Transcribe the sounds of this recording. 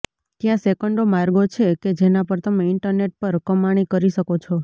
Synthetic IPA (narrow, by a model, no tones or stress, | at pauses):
t̪jãsekəɳɖomaɾɡot͡ʃʰeked͡ʒenapəɾt̪əmeɪɳʈəɾneʈ̚pəɾkəmaɽ̃ikəɾiʃəkot͡ʃʰo